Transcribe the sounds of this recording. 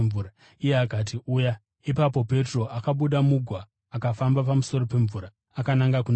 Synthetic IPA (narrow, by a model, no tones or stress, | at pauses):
uː | ije̞akat̬iʔuːja | ipapo̞pe̞tro̞ʔakaɓuɗamuɡʱwaː | kafambapamuso̞ro̞pe̞ɱvuːɾa | akanaŋɡakun